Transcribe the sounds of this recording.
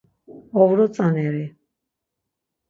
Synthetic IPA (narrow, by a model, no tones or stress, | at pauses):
ɔvɾɔt͡s̪ʼanɛɾi